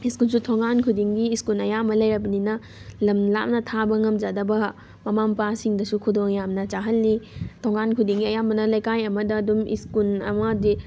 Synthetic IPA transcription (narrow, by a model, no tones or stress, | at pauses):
iskulsutʰoŋankʰudiŋɡiːskulɐjamɐlɐjɾɐbɐninɐ | lɐmla̰p̚nɐtʰabɐŋɐmd͡ʒadɐbɐ | mɐmampasiŋdɐsukʰudoŋjamnɐt͡ʃaɦɐlːitʰoŋankʰudiŋɡiɐjambɐnɐlɐjkajɐmɐdɐːdumḭskulɐ̰madi